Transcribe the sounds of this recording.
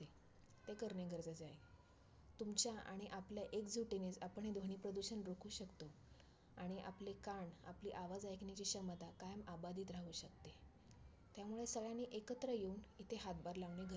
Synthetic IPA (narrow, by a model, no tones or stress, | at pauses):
e | t̪ekəɾneɡʱəɾd͡zat͡saɦe | t̪umt͡ɕjaʔa̰ɽ̃iʔapljaʔekd͡zuʈinet͡sapəɳed̪ʱoɦɳ̃ipɾəd̪uɕənɾokʰuːɕəkt̪o | aɽ̃iʔa̰plekaɳa̰pliːʔaʋad͡zajkʰnit͡ɕiːɕəmət̪akajəmabad̪iːt̪ɾaɦuːɕəkt̪e | t̪jamuɭesəɡɭjaniːʔekət̪ɾəjeunit̪ʰeɦat̪̚baɾlaʋɳeɡʱə